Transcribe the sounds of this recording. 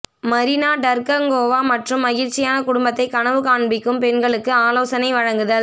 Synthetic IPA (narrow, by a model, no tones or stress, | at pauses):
mɐɾɪnaːɖɐɾkɐŋɡoːʋaːmɐʈrɯmːɐɣɪɾt͡ʃːɪjaːnɐkʊɽʊmbɐt̪ːɐɪkɐɳɐʋɯkaːɳbɪkːɯmpɛnɡɐɭɯkːɯaːloːsɐnɐɪʋɐɻɐŋɡɯðɐ